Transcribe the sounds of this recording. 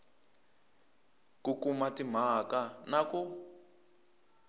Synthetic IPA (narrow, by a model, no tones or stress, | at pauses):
kukumatim̤akanaku